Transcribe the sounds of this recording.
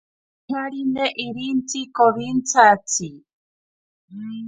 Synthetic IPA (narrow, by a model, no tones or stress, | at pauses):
aɺinɛʔiɾint͡sʰikɔβint͡sat͡sʰi